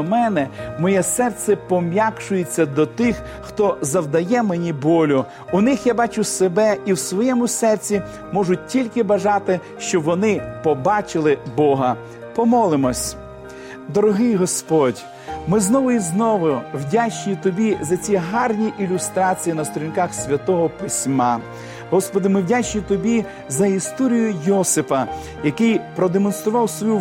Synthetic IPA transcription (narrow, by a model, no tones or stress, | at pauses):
mɛnɛmɔjɛsɛrt̪sɛpɔmʲjakʃʊjet͡sʲːɐd̪ɔt̪ɪx | xt̪ɔzɐwd̪ɐjɛmenʲibɔlʲʊ | ʊnɪxjabɑt͡ʃʊsebɛiwsʋɔjɛmʊsɛrt͡sʲi | mɔʒʊt̚ʲtʲːilʲkɪbɐʒɑt̪ɪ | ʃt͡ʃɔʋɔnɪpɔbɑt͡ʃɪlˠɪbɔɦɐ | pɔmɔlˠɪmɔsʲ | d̪ɔɾɔɦɪjɦɔspɔdʲ | mɪznɔʋʊiznɔʋʊwdʲat͡ʃnʲit̪ɔbʲizɐt͡sʲiɦɑrnʲiʔilʲʊst̪ɾɑt͡sʲijinɐst̪ɔɾʲinkɑxsʲʋʲɐt̪ɔɦɔpɪsʲmɑ | ɦɔspɔd̪ɪmɪwdʲat͡ʃnʲit̪ɔbʲi | zɐist̪ɔɾʲijʊjɔsɪpɐ | jɐkɪjpɾɔd̪emɔnst̪ɾʊʋɑwsʋɔju